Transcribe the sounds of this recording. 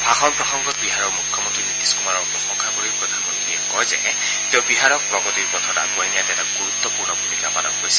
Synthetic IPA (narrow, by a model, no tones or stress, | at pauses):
bʱaxɔnpɹɔsɔŋɡɔt̪biɦaɾɔmukʰjɔmɔnt̪ɾinit̪iskumaɾɔpɔxɔŋkʰabɔɾipɾɔd̪ʱanmɔnt̪ɾiekɔjze | t̪ewbiɦaɾɔk̚pɾɔɡɔt̪iɾpɔt̪ʰɔda̰ɡɔjnijat̪ɛtaɡuɾut̪ːɔpuɹnɔbʱumikapalɔ̰nɡojsi̥